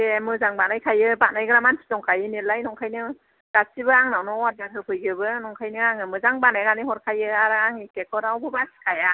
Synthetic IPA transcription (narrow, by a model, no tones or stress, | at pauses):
emɯzaŋbanajkʰajɯbanajɡɯɾamansʰi̥zɔŋkʰajɯnilajnɔŋkʰajnɯ | ɡ̥asibɯaŋnawnɔwat̚ɡanʰɯkʰɯjɡɯbɯnɔŋkʰajnɯaŋɯmɯzaŋbanajɾanijhɔɾkʰajɯaɾaaŋikekʰɔɾawbɯbasi̥kʰaja